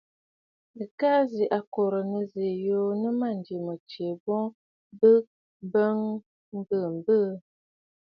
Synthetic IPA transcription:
ə˨ka˦zi˨ʔa˨ko˨ɾə˨nə˦ze˨jo˦nə˦ma˦˨n˨di˨mə˨t͡ʃe˨bɔ˦ | bə˦ | bə˦ŋ | m̩˦bə˦˨m̩˨bə˦

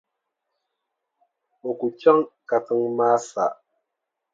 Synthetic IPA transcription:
o˨ku˨t͡ʃa˦ŋka˨tɨ˦ŋmaː˦sa̰˨ʔ

